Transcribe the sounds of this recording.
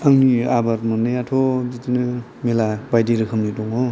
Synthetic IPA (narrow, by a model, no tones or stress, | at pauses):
aŋniabaɾmɯnɯjatʰod͡ʒitinɯ | melabajdiɾɯkʰɯmnituŋo